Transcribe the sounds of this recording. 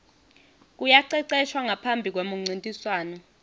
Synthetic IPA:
k̬ujaǀɛǀɛʃwaŋapʰambʱik̬wemuŋ͡ǀintʼiswaːnɔ

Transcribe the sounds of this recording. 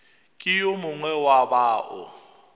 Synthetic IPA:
kʼijomʊŋwɛwaɓaːʔɔ̰

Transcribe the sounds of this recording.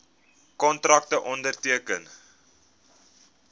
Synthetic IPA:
kɔntrɐk̚təʔɔndərtiəkən

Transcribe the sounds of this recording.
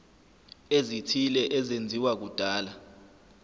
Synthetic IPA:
ezitʰilɛʔɛzend͡zʱiwak̬ud̥ʱaːla

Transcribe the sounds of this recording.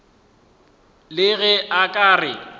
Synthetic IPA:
lɪɣɛʔakʼaːrɪ

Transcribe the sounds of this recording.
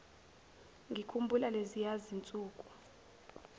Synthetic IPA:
ŋɡʱikʰumbʱulalezijazint͡sʼuːkʼu̥

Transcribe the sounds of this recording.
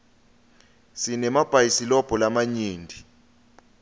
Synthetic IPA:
sinɛmab̥ʱajisilɔb̥ʱɔlamaɲiːndʱi

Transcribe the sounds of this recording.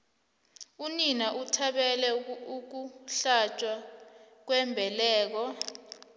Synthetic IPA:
uninaʔutʰaɓɛlɛuk̬uɬat͡ʃʼwa | k̬wɛmbʱɛlɛːk̬ɔ

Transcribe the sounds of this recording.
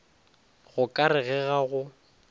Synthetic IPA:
ɣʊkʼaɾɪɣɛɣaɣʊ

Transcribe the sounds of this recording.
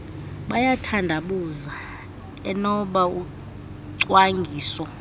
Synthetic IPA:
ɓajatʰandʱaɓuza | ɛnɔɓau | ǀwaŋɡʱiːsɔ

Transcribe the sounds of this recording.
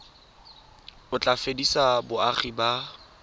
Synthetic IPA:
ʊt͡ɬʼafedisabʊaχiba

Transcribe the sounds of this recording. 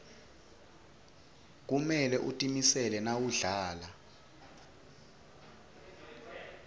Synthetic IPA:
k̬umɛlɛʔutʼimisɛlɛnawuɮaːla

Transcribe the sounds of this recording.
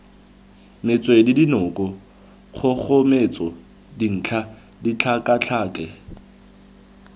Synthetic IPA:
mɪt͡sʼwedidinʊkʼɔ | χʊχʊmet͡sʼɔ | din̩ːt͡ɬʰa | dit͡ɬʰakʼat͡ɬʰaːkʼɛ

